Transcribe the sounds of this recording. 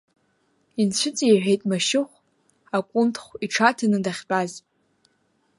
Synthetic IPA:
int͡ɕʷʰʊt͡sʼiħᶣejtʼmaʃɪχʷ | akʷʼʊmtʰʼχʷiʈ͡ʂʰatʰanɨdaχʲt͡pʼaz

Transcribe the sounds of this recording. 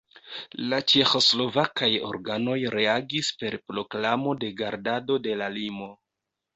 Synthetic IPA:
lat͡ʃe̞xo̞slo̞vakajo̞̰ɾɡano̞jɾe̞aɡispe̞ɾpɾo̞klamo̞de̞ɡaɾdado̞de̞lalimo̞

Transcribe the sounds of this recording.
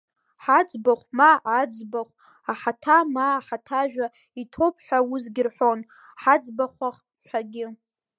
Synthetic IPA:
ħad͡zbaχʷmaʕad͡zbaχʷ | aħatʰamaːħatʰaʒᶣʷa | itʰo̞pʰħʷᶣawuzɡʲɪrħʷo̞n | ħad͡zbaχʷaχ | ʃʷᶣaɡʲɪ

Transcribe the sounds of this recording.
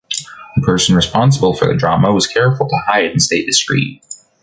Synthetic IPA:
əpʰɜ˞sn̩ɹɨspɑ̃ns̬əbl̩ˠfə̰˞ðɨ̰dɹɑməwʌz̥kʰɛɹfl̩ˠtʰəhaɪɨɾ̃n̩steɪt̚d̥ɨstɹ̥ḭt̚

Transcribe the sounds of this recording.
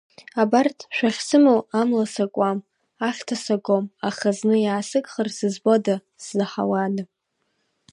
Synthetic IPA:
abartʼʰʃʷᶣaχʲsɨmowamlasakʷʼam | aχʲtʰasaɡomaχaznɨjaːsɨkʼχərsɨzboda | szaħa̰wanɨ

